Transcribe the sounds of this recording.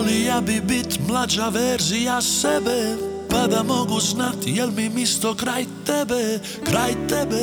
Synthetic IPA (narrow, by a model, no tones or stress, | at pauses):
lijaːbibit̪mlˠad͡ʒaʋɛɾzijasɛbɛ | pad̪amoɡuznat̪jɛlmimist̪okɾajt̪ɛbɛ | kɾajt̪ɛbɛ